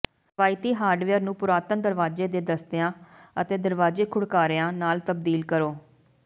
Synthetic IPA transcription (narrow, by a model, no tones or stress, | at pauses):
ʋaːit̪iːɦaːɾɖʋejəɾnũːpʊɾaːt̪ənd̪əɾʋaːd͡ʒeːd̪eːd̪əst̪ɪjãːət̪eːd̪əɾʋaːd͡ʒeːkʰʊɽkaːɾejãːnaːlt̪əb̚d̪iːlkəɾoː